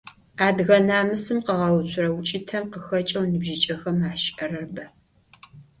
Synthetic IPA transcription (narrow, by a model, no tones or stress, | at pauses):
aːdɣɐnaːmɨsɨmqəʁɐwɕʷʰʊɾɐwʊt͡ʃʼɪtʰɐmqəxɐt͡ʃʼɐwnɨbʒɪt͡ʃʼɐxɐmaːʃʔɐrɐrbɐ